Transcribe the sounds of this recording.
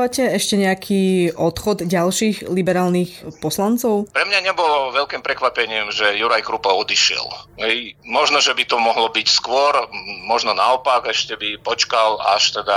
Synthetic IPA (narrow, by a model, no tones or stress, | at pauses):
ʋacɛɛʃcɛɲɛakʰiɔt̪xɔd̪ɟalʃiːɣlibɛɾaːlnixpɔslant͡sɔʊpɾɛmɲaɲɛbɔlɔʋɛʎkiːmpɾɛkʋapɛɲɪːmʒɛjuɾajkɾupɔɔd̪iʃɪɛ̰lɦɛjmɔʒnɔʒɛbit̪ɔmɔɦlɔbicskʊɔɾmɔʒnɔnaɔpaɡɛʃcɛbipɔt͡ʃkala̰ʃt̪ɛd̪a